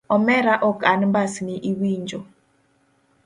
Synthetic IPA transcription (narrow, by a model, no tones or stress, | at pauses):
ɔmɛɾaʔɔkanbasniʔiwiɲd͡ʒo